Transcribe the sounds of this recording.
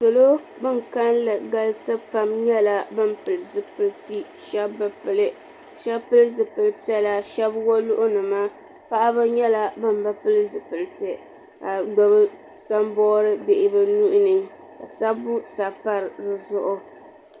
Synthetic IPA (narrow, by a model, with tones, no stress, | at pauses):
so˨lo˦ | bɨ˦ŋ˨ka˦nlɨ˨ɡa˦lsɨ˦pa˦mɲɛ˦la˦bɨ˦mpɨ˨lɨ˨zɨ˨pɨ˨lti˦ | ʃɛ˦bːɨ˦pɨ˨lɨ˦ | ʃɛ˦pɨ˦lɨ˦zɨ˨pɨ˨lɨ˦pi˦ɛ˦la˨ʃɛ˦bwo˦lʊ˦ʔʊ˦nɨ˨ma˦ | pa˦ʔa˦ba˦ɲɛ˦la˦bɨ˦mba˦pɨ˦lɨ˦zɨ˨pɨ˨ltɨ˨ | a˨ɡ͡ba˦bɨ˦ | sa˦mbɔː˦ɾɨ˦be˨ʔɪ˦bɨ˦nu˦ʔʊ˦nɨ˨ŋ | ka˨sa˦bu˦sa˨pa˦ɾɨ˨zɨ˦zʊ˦ʔʊ˦